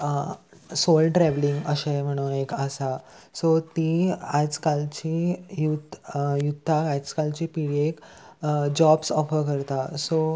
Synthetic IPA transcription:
solʈɾɛʋliŋɡəɕẽm̤əɽ̃oekəsasot̪iat͡skalt͡ɕijud̪jud̪ʱːakat͡skalt͡ɕipiɽiek | d͡ʑɔbsɔfəɾkəɾt̪aso

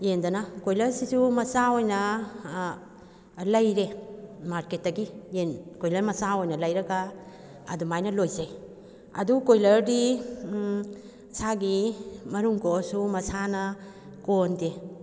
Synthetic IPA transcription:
endɐnakojlɐɾsisumɐsaojnɐ | lɐjɾemaɾket̚dɐɡijenkojlɐɾmɐsaojnɐlɐjɾɐɡa̰ː | dumajnɐlojzej | ɐdukojlɐɾdi | saɡimɐɾuŋkosumɐsanɐ | konde

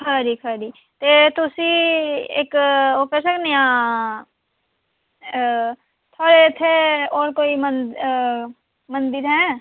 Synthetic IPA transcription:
kʰəɾikʰəɾi | t̪et̪usiḛːkokɛsəknejã | t̪ʰoːɾet̪ʰeɔːɾkoːimən | mə̃nd̪ɪɾɦɛ̃ː

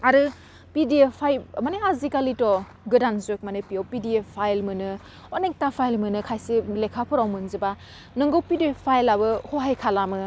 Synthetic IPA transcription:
aɾɯ | pidiepʰːajmaniɦazikalitɔ | ɡɯdanzok̚manipijowpidiepʰajlmɯnɯ | onek̚tapʰajlmɯnɯkʰajselekʰapʰɯɾawmɯnzɯba | nɯŋɡowpidiepʰajlabɯhoɦajkʰalamɯ

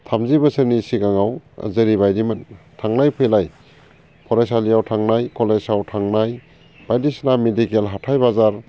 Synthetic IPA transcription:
tʰamzibəsəɾnisiɡaŋaw̰zeɾibajdimɯn | tʰaŋnajpʰɯjlaj | pʰɔɾajsalijawtʰaŋnajkɔlezawtʰaŋnaj | b̥ajdisnamedikelɦatʰajbazaɾ

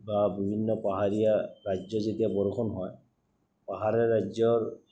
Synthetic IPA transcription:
babibʱinːɔpaɦaɹijaɹad͡ʒɔzetiabɔɹxʰɔnɦɔj | paɦaɹɛɹad͡ʒɔɹ

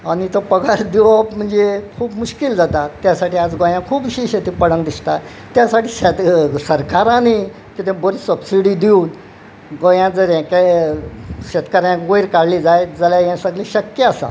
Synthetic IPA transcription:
anit̪opəɡaɾd̪iʋapm̤əɳd͡zekʰuːpmuɕkild͡zat̪at̪jasaʈiːad͡zɡõjãkʰuːpiɕiɕet̪iːpəɽə̃ŋɡd̪ist̪a | t̪jasaʈiːɕɛt̪səɾkaɾãne | kit̪ẽboɾisəbsiɽiːd̪iuːn | ɡõjãd͡zəɾjãke | ɕɛt̪kaɾjãkɡojɾkaɽliːd͡zajd͡zəljajãsəɡliɕəkjəasa̰

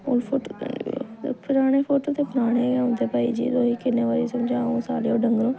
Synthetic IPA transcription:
o̰ːlpʰʊʈ | pʰʊɾaːɽ̃eːpʰoːʈoːt̪eːpʰɪɾaːɽ̃eːʊ̃nd̪eːpaːḭːd͡ʒḭːd̪oːɦiːkɪnːeːʋaːɾeːsəmd͡ʒaːõsa̰ːleːoːɖəŋɡɾõː

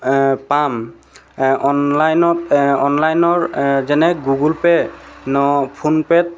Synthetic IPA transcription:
pam | ɔnlajnɔtɔnlajnɔɹzɛnɛɡuɡulpɛnɔpʰunpɛt̚

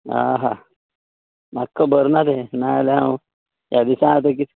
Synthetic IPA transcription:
a̰ɦa | makːəbəɾnad̪enajalã | jad̪isãŋɡt̪̬ekit̪ʰ

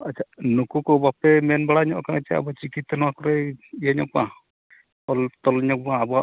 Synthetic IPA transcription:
at͡ʃʰanukukɔbapɛmɛnbaɽaɲɔʔkaŋɛt͡ʃaa̰bɔt͡ʃikit̪sɔnɔwakɔɾɛijaɲɔ̰ʔbɔʔã | ɔlt̪ɔlɲɔk̚bɔãːbɔa

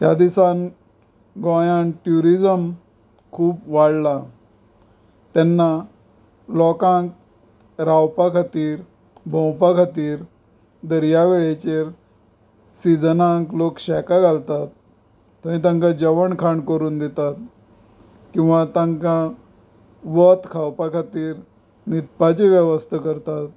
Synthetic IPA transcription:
t̪jad̪isan | ɡɔ̃janʈjuɾid͡zəm | kʰuːpʋaɽla | t̪ɛnːa | lɔkãŋk̚ | ɾawpakʰat̪iːɾ | bʱɔ̃wpakʰat̪iːɾ | d̪əɾjaʋeɭet͡ɕeɾ | sid͡zənãŋklokɕɛkaɡʱalt̪at̪ː | ãĩt̪̬ãŋkad͡ʑəʋəɳkʰaɳkəɾuːnd̪et̪at̪ | kĩw̃ʋat̪ãŋka | ʋət̪kʰawpakʰat̪iːɾ | nit̪̚pat͡ɕeʋjəʋəst̪ʰəkəɾt̪at̪

